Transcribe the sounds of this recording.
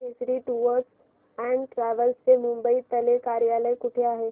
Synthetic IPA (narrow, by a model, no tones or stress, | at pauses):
esɾiʈuʋəɾs | ɛ̃ɳɖʈɾɛːʋəlsːemʊ̃mbəit̪ɐlekaːɾjaːləjkʊʈʰjaɦɛː